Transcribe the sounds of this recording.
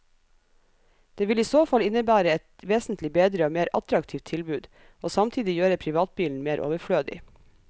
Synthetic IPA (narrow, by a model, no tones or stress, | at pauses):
d̪̥eːʋɪliːsoːfɑlɪnəbæːɾəɛt̪ʋeːsn̩t̪ʰlɪbeːd̪ɾəoːmeːɾɑ̰t̪ɾɑkt̪ʰiːft̪ʰːɪlbʉːd̪ | ʔoːsɑmt̪ʰiːd̪ɪjøːɾəpʰɾɪʋɑːt̪̚biːln̩meːɾʔo̰ːʋəfɽøːd̪ɪ̰